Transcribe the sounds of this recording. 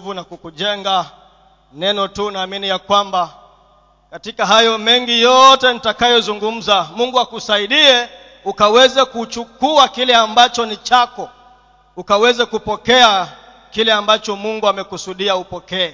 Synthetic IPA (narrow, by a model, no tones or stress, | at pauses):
vunakukuʄɛŋɡa | nɛnɔtuːnaːminijakwamba | katikaɦajɔmɛŋɡijɔtɛn̩itakajɔzuŋɡum̩zamuŋɡuakusaiɗiɛ | ukawɛzɛkut͡ʃukuakilɛambat͡ʃɔnit͡ʃakɔ | ukawɛzɛkupɔkɛa | kilɛambat͡ʃɔmuŋɡuamɛkusuɗiaupɔkɛː